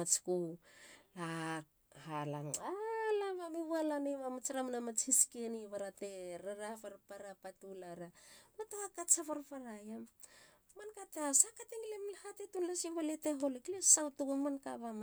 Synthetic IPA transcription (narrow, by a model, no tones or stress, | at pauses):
at͡ʃku | la | halaalaβamiβalaneβamat͡ʃɾamnamat͡ʃhiskeniβaɾateɾaɾafaɾpaɾapatulaɾamatawakat͡ʃafaɾfaɾajam | mankatasakateŋlemlhatetunlasiβaleteɦo̞leklesawtuɡamankaβam